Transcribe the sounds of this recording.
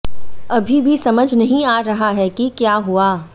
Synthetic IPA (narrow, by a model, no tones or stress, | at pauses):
ɐbʱibʱisɐməd͡ʒʱnɐɦĩaːɾɐɦaɦɛkikjaːɦuaː